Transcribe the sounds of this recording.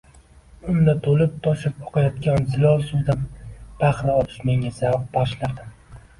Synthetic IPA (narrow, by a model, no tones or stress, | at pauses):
ʊnd̪at̪ʰolɪp̚t̪ʰɒʃɪpoqʰɑjɒt̪̚ɡʲanzɪlɒlˠsud̪anb̥aχlɪɒlɪ̥ʃme̞ŋʲazavq̚bɒʃlaɾd̪ɪm